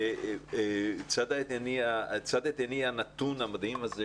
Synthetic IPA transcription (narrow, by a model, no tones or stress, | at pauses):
t͡sad̪aet̪eniat͡sad̪et̪enianat̪unhamad̪himaze